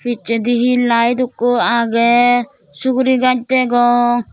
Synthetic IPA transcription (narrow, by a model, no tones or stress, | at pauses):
pʰit͡ʃɛd̪iɦilajd̪ukːɔaɡɛ | suɡɾiɡad͡ʒ̚t̪ɛɡɔŋ